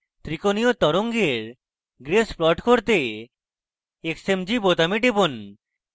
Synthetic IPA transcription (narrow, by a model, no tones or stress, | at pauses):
t̪ɾikoniot̪ɔɾoŋɡeɾ | ɡɾesplɔʈkoɾt̪e | eksemd͡ʑibot̪amiʈebon